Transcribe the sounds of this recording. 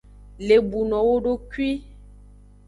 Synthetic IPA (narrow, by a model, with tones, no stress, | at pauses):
le˨bu˨nɔ̃˨wo˦ɖo˦kɥwi˦